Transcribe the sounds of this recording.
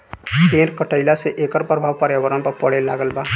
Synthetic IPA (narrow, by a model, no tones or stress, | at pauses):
penɾkəʈəjlaseʔekəɾpɾəbʱawpəɾjabəɾənpəɾpəɽ̤ɛlaɡəlba